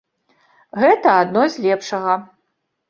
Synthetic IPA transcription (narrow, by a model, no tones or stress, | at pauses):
ɣɛt̪ɐad̪nɔzʲlʲɛpʂɐɣɐ